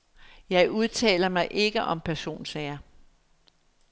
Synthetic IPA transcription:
jɑ̈ɪʔuð̞ˠt͡sʰɛ̰ːlɐmɑ̈ɪʔe̝ɡ̥əʔɒ̽mpʰæɐso̝̰ːnsɛɐ

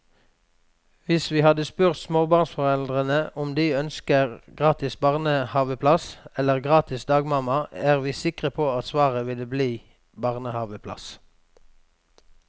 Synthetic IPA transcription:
ʋɪsʋiːhɑd̪əspʉːʁt̪smoːbɑʁnsfɔʁɛld̪ʁənəʔʊmd̪iːœnskəʁɡʁɑːt̪ɪsbɑʁnəhɑːʋəpʰlɑsɛləʁɡʁɑːt̪ɪsd̪ɑːɡmɑmɑæːʁʋiːsɪkʁəpʰoːɑt̪sʋɑːʁəʋɪləbliː | bɑːʁnəhɑːʋəpʰlɑ̰s

